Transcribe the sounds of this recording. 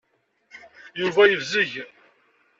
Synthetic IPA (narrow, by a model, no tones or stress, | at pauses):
juvæjəvziʝ